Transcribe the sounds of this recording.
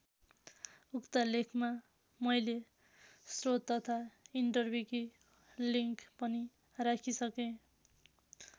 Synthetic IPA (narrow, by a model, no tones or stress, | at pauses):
ukt̪ʌlekʰma | mʌjle | srot̪ːʌt̪ʰaiɳʈʌrbʱjuki | liŋkpʌni | rakʰisʌkẽ